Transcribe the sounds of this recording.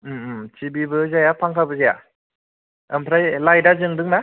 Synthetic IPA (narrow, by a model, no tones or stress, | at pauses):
ɯt͡ʃibibɯzajapʰaŋkʰabɯzija̰ | əmpʰɾajlajdazɯŋdɯŋna